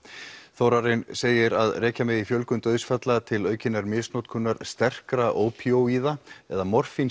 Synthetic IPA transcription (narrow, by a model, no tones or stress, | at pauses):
θowɾaɾɪnseːjɪɾaðrɛːcamɛðifjœlkʏnt̪œðsfat̪lat̪ʰɪlœːɥcɪnːaɾmɪsnowt̪̚kʰʏnːaɾ̥st̪ɛr̥kɾaʔoːwpʰiowiːðaɛðamɔr̥fin